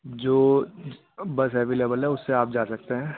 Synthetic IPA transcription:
d͡ʒoː | bɐsɦɛːʋilɛbəlɦɛʊsːeaːp̚d͡ʒaːsɐk̚t̪eɦɛ̃ː

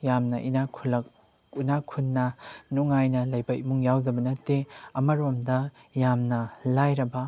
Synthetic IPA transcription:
jamnɐʔinakʰulɐk̚ | inakʰunːɐnuŋajnɐlɐjbɐj̚muŋjawdɐbɐnɐtːeɐmɐɾomdɐjamnɐlajɾɐbɐ

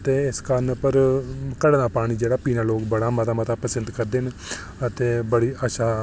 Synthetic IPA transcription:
t̪eːɪskənpəɾkəɽːnaːpaːɽ̃iːd͡ʒeːɽaːpiːnaːloːkbəɽaːmət̪aːmət̪aːpəsənd̪kəɾd̪ɪn | ət̪eːbəɽiːəːʃaː

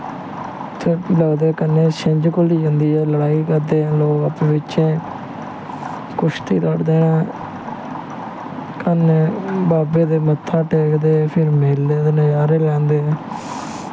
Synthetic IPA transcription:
t̪ʰeːləːd̪eːkənːẽːʃɪ̃ɲd͡ʒkʊliːd͡ʒə̃nd̪iːɛːləɽaːiːkəɾd̪ẽːloːɡəpːʋɪt͡ʃẽː | kʊʃt̪ʰiːt̪aɖd̪eːnãː | kənbaːbeːd̪eːmət̪ʰːãːʈeːkd̪eːpʰɪɾmeːld̪eːd̪eːnãːjaːɾeːlɛ̃ːnd̪eː

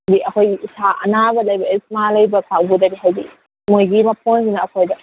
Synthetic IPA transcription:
diʔɐkʰojɡiʔisʰaʔɐ̰nabɐlɐjbɐesmalɐjbɐkʰakbudɐbiɦajɡi | mojɡimɐp̚ʰunsinɐːkʰojdɐ

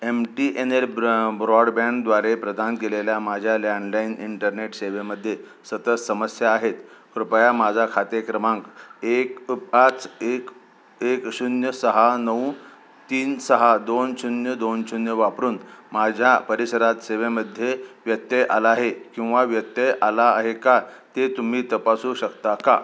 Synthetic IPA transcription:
emʈiʔeneɾbɾɔɽbãɳd̪ʋaɾepɾəd̪ʱankeleljamad͡ʑʱjalaɳlainiɳʈəɾneʈseʋeməd̪ʱːje | sət̪ət͡ssəməsjaːɦet̪kɾupjamad͡zʱakʰat̪ekɾəmãŋkekat͡sek | ekɕunjəsəɦanəũ | t̪iːnsəɦad̪onɕunjəd̪onɕunjəʋapɾuːnmad͡ʑʱjapəɾisəɾat̪seʋeməd̪ʱːjeʋjət̪ːjeʔa̰laɦekĩw̃ʋaʋjət̪jeʔalaːɦekat̪et̪um̤iːt̪əpasuːɕəkt̪aka

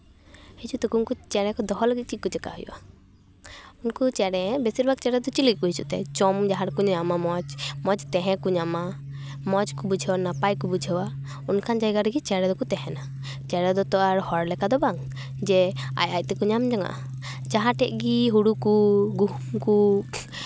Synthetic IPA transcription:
hɛt͡ʃut̪ɛkunkut͡ʃɛɽɛ̃kɔd̪ɔɦɔlaɡit̪̚t͡ʃikut͡ʃɛka̰ɦɔjṵʔa | unkut͡ʃɛɽɛbɛsiɾbʱaɡ̚t͡ʃɛɽɛd̪ɔt͡ʃilik̚ˀkuɦit͡ʃṵʔt̪ɛ̰t͡ʃɔmd͡ʒaɦãɾkuɲamamɔd͡ʒmɔd͡ʒt̪ɛɦɛ̃kuɲama | mɔd͡ʒkubud͡ʒʱɛwanapajkubud͡ʒʱɛwa | unkʰand͡ʒajɡaɾɛɡit͡ʃɛɽɛd̪ɔkut̪ɛɦɛna | t͡ʃɛɽɛd̪ɔt̪ɔʔaɾhɔɾlɛkad̪ɔbaŋ | d͡ʒɛa̰jaj̚t̪ɛkuɲamd͡ʒaŋa̰ʔa | d͡ʒaɦãʈɛʔɡiɦuɽukuɡuɦumku

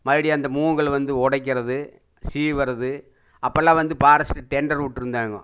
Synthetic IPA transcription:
mɐɽɪjɐnd̪ɐmuːŋɡɐɭʋɐnd̪ɯɔɽɐɪk̬ːɪɾɐðɯ | siːʋɐɾɐðɯ | ɐpːɐlːãːʋɐnd̪ɯpaːɾɐsɪ̥ʈːɯʈɛɳɖɐɾuʈːɪɾɯnd̪ʋeːŋɡɐ̰̃

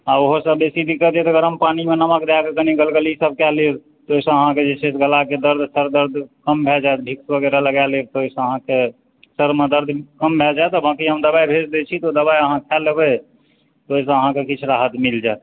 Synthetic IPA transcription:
aoɦosəbbesib̪ʱikət̪ɛt̪əɡəɾəmpanimenəməkd̪akekəniɡəlɡelisəb̚kɛliɾ | t̪oisə̃əɦãked͡ʒet͡ʃʰesɡʱəlaked̪əɾd̪ʱsəɾd̪əɾd̪ʱkəmbʱɛld͡ʒajt̪bʱiksbəɡeɾaləɡalet̪oisə̃əɦãke | səɾmed̪əɾd̪ʱkəmbʱɛd͡ʒajt̪ɔbakiəmd̪əbajbʱed͡ʒd̪ɛt͡ʃʰit̪od̪əbajəɦãkʰɛlːebə | t̪ois̬ə̃əɦãkekit͡ʃʰɾaɦət̪mild͡ʒajt̪

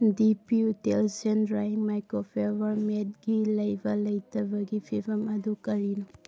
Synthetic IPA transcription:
dipiutelsenɾajiŋmajkɾopʰeɾbɐɾmet̚ɡilɐjbɐlɐjtʰɐbɐɡipʰibɐmɐdukɐɾin

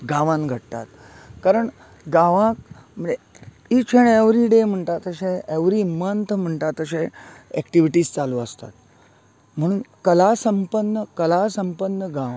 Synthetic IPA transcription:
ɡaʋãnɡʱəʈt̪a̰t̪ | kaɾəɳ | ɡaʋãk̚m̤əe | it͡ɕʰeɽ̃eʋɾiɖem̤əɳʈat̪əɕẽeʋɾiːmənt̪ʰm̤əɳʈat̪əɕẽɛkʈiʋiʈiːst͡saluːəst̪a̰t̪ | m̤əɽ̃uːnkəlasəmpənːəkəlasəmpənːəɡaʋã

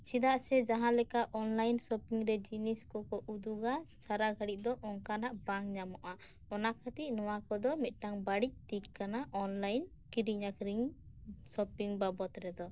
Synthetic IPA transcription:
sid̪aʔsɛd͡ʒaɦãlɛkaʔɔnlajnsɔpiŋɾɛd͡ʒiniskɔkɔʔud̪uɡasaɾaɡʱaɽiʔ̚d̪ɔʔɔŋkanaʔbaŋɲamɔʔa | ɔnakʰat̪iʔ̚nɔwakɔd̪ɔmit̪̚ˀʈaŋbaɽic̚t̪ikkanaʔɔnlajn | kiɾiɲakɾiŋ | sɔpiŋbabɔt̪ɾɛd̪ɔ

